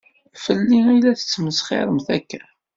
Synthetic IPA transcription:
fəlːiæjlæθə̥t͡sːməsχɪ̰ɾˤəmθækːæ

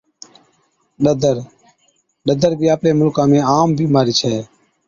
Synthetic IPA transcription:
ɗəd̪əɾ | ɗəd̪əɾbʱiːaːpneːmʊlkãːmẽːaːmbʱiːmaːɾiːt͡ʃʰɛː

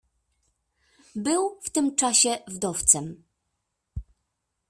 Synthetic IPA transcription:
bɘwft̪ɘmt͡ʂaɕɛvd̪ɔft̪sɛm

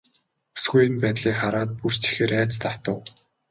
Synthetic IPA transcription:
u̥sɡuj̆npæːt̪ɮiːkχaɾaːt̪̚pur̥t͡ɕʰe̥xeːɾæːt͡st̪aw̥t̪ə̆w

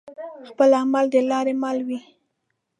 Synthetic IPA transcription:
xpəlamald̪əlɑɾemalwi

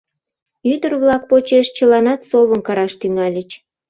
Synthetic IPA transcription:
yd̪ərβlɑk̚pot͡ɕeʃt͡ɕəlɑnɑt̪soβənkɑɾɑʃt̪yŋɑlʲət͡ɕ

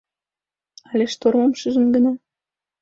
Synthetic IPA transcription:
ɑlʲeʃt̪ormomʃəʒə̆nɡə̆nɑ

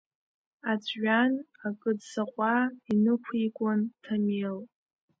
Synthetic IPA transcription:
at͡sʷʰʼʕᶣan | akʼɨdsaqʷʼainɨkʷʰikʷʼantʰamel

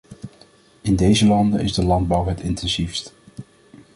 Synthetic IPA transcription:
ɪndejzəlɑndəɪzdəlɑnd̚bɑwɦɛtɪntɛnzifst

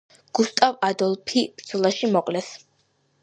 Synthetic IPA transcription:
ɡ̥ust̪ʼavad̪ɔlˠpʰib̥ɾd̪zɔlˠaʃimɔqʼlɛs

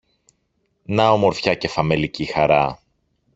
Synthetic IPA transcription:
nɐomo̞ɾfçɐce̞fɐme̞licixɐɾɐ

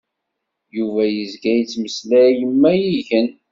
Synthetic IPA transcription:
juvæjəzɡæjt͡sːməslæjəmːæjiʝən

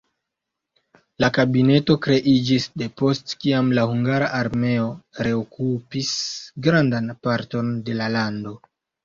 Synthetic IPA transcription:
lakabine̞to̞kɾe̞ʔid͡ʒisde̞po̞stkiamlahuŋɡaɾaʔaɾme̞o̞ɾe̞okupisɡɾandanpaɾto̞nde̞lalando̞

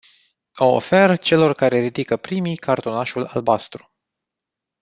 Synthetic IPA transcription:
oo̰fe̞rt͡ʃe̞lo̞rkaɾe̞ɾid̪ikəpɾimijkʰart̪o̞naʃula̰lbast̪ɾu̥

